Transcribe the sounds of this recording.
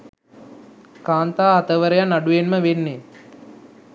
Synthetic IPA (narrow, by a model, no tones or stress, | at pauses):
kaːnt̪aːɦɐt̪əʋəɾəjanaɖujenməʋenːe